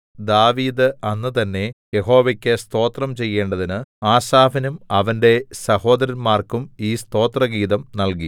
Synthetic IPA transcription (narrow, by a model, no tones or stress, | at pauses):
d̪aːʋiːd̪ɨɐnːɨt̪ɐnːe̞je̞ɦo̞ːʋɐkʲːɨst̪o̞ːt̪rɐmt͡ɕe̞jːe̞ːɳɖɐðinɨaːsaːfinumɐʋɐnde̞sɐho̞ːd̪ɐɾɐnmaːrkumiːst̪o̞ːt̪rɐɡiːðɐmnɐlki